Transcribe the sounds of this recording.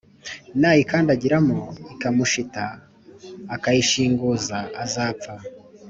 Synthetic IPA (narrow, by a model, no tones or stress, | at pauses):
naːjikaːndaɟiɾamoikamuʃitaː | kajiʃiːŋɡuzaazaːp͡fa